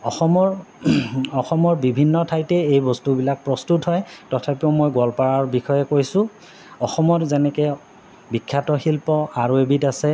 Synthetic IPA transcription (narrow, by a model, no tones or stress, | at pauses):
ɔxɔmɔɹ | ɔxɔmɔɹbibʱinːɔtʰajtɛejbɔstubilak̚pɹɔstutɦɔjtɔtʰapɛʊmojɡɔlpaɹaɹbixɔjɛkojsʊ̃ | ɔxɔmɔtzɛnɛkɛ | bikʰːatɔxilpɔaɹuebitasɛ